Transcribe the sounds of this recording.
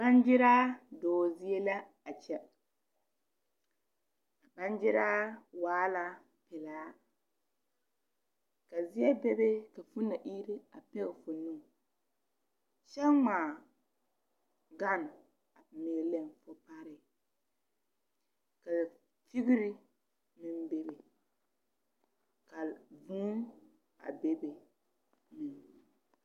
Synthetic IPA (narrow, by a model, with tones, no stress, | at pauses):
ba˦nd͡ʒɪ˦ɾaː˦dɔː˨zi˦e˦la˦ | a˨t͡ʃɛ˦ | a˨ba˦nd͡ʒɪ˦ɾaː˦waː˨˦la˦ | pɛ˨laː˨˦ | ka˨zi˦ɛ˦bɛ˦be˦ka˨fu˦na˨ʔi˦ɾi˦a˨pɛ˦ɣfʊ˨nu˦˨ | ʃɛ˦ŋ͡maː˨ | ɡa˦˨n˨ | a˨meː˨lɛ˦˨mfʊ˨pa˦ɾɪ˨ | ka˨ | fi˦ɣɪ˦ɾi˦ | mɪ˦mbe˦be˨ | ka˨vu˦ | a̰˨be˦be˨ | mɪ˨n